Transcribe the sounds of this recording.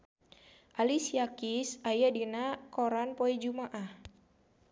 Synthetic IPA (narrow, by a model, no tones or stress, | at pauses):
ʔalisijakisajadinakoɾanpɔid͡ʒumaʔah